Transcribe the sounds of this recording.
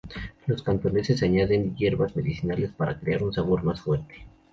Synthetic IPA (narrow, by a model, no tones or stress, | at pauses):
lo̞skant̪one̞se̞saɲaðe̞njeɾβazme̞ðisinale̞spaɾa̰kɾe̞aɾunsaβo̞ɾmasfwe̞ɾt̪e̥